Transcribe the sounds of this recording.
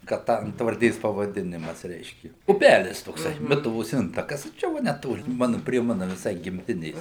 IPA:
kɐ ˈtɑː ɐntʋɐrʲˈdʲeːs pɐʋɐˈdʲɪnʲɪmɐs ˈrʲɛɪʃʲkʲɪ ʊˈpʲælʲɪs toːkˈsɐɪ ˈmʲɪtʊʋoːs ˈɪntɐkɐs ˈt͡ʃʲɛ ˈʋɐ nʲɛˈtoːlʲɪ ˈmɑːnʊ pʲrʲiɛ ˈmɑːnʊ ʋʲɪˈsɐɪ ɡʲɪmʲˈtʲɪnʲeːs

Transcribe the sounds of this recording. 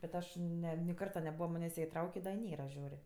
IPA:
bʲɛt ˈɐʃ ˈnʲɛ nʲɪ ˈkɐrtɐ nʲɛˈbuːʋɐ ˈmɑːnʲeːsʲ ˈjiɛ ɪˈtrɐʊkʲeː dɐ ɪ ˈnʲeːrɐ ˈʒʲuːrʲ

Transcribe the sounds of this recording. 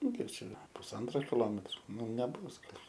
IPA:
ˈnʊ ˈkʲiɛk ˈt͡ʃʲɛ pʊsˈɐntroː kʲɪˈlˠoːmʲɛtroː ˈnʊ nʲɛˈbʊs ˈɡɐlʲ

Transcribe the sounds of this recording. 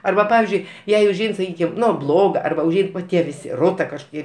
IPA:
ˈɐrbɐ ˈpɑːʋʲɪzʲd͡ʒʲʊɪ ˈjɛɪ ʊʒʲˈɛɪn sɐˈkʲiːkʲɪm ˈnʊ ˈblˠoːɡɐ ɐrˈbɐ ʊʒʲˈɛɪn ʋɐ ˈtʲiɛ ʋʲɪˈsʲɪ ˈroːtɐ kɐʃkoːˈkʲiɛ

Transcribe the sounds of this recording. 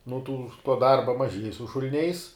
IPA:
nʊ tuː tuɔ ˈdɐrbɐ mɐˈʒʲiɛj sʊ ʃʊlʲˈnʲɛɪs

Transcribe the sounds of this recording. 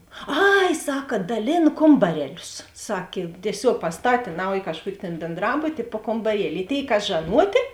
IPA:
ˈɐɪ ˈsɑːkɐ dɐˈlʲeːn ˈkoːmbɐrʲɛˌlʲʊs ˈsɑːkʲeː tʲiɛˈsʲoːk pɐsˈtɑːtʲeː ˈnɐʊjɪ kɐʃˈkuɔkʲɪ tʲeːn bʲeːnˈdrɑːbʊtʲɪ ɪ poː koːmbɐˈrʲiɛlʲɪ ɪ ˈtʲeːɪ ˈkɐs ʒɐˈnuɔtʲeː

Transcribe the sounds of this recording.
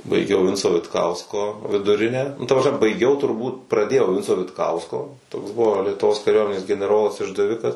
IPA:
bɐɪˈɡʲɛʊ ˈʋʲɪnt͡soː ʋʲɪtˈkɐʊskoː ʋʲɪdʊˈrʲɪnʲæː nʊ ˈtɐ prɐsʲˈmʲɛ bɐɪˈɡʲɛʊ tʊrˈbuːt prɐˈdʲeːjɛʊ ˈʋʲɪnt͡soː ʋʲɪtˈkɐʊskoː toːks ˈbʊʋoː lʲiɛtʊˈʋoːs kɐˈrʲuɔmʲɛnʲeːs ɡʲɛnʲɛˈroːlˠɐs ɪʒdɐˈʋʲɪkɐs

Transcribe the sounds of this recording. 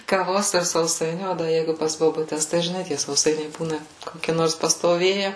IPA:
kɐˈʋoːs ɪr sɐʊˈsɐɪnʲuː ˈoː dɐ ˈjɛɪɡʊ pɐs boːbʊˈtʲɛs tɐɪ ʒʲɪˈnɐɪ tʲiɛ sɐʊˈsɐɪnʲɛɪ ˈbuːnɐ koːˈkʲɪ ˈnoːrs pɐstoːˈʋʲeːjɛ

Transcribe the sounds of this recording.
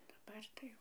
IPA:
dɐˈbɐr tɐɪ ˈjɛʊ

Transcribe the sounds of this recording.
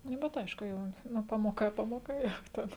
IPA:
ˈnʊ bʲɛt ˈɐɪʃkʊ ˈjɛʊ ˈnʊ ˈpɑːmoːˌkɐ ˈpɑːmoːˌkɐ ˈjɛʊ ˈtʲɛn

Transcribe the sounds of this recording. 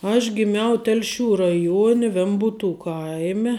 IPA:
ɐʃ ɡʲɪˈmʲɛʊ ˈtʲɛlʲˌʃʲuː rɐˈjuɔnʲɛ ˈʋʲɛmbuːtuː ˈkɐɪmʲɛ

